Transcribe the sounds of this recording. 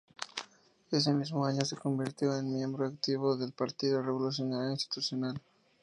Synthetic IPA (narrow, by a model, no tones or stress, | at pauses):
e̞s̬e̞mizmoaɲose̞ko̞mbiɾt̪joenmje̞mbɾoakt̪iβoðe̞lpaɾt̪iðoreβolus̬jonaɾjoinst̪i̥t̪usjonal